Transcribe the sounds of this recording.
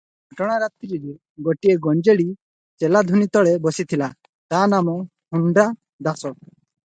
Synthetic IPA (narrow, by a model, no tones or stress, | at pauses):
ɡʱɔʈɔɽ̃aɾat̪iɾiɾe | ɡɔʈieɡɔɲd͡ʒeɽi | t͡ʃɛlad̪ʱunit̪ɔɭebɔsit̪ʰila | t̪anamɔ | huɳɖɾa | d̪asɔɾ̚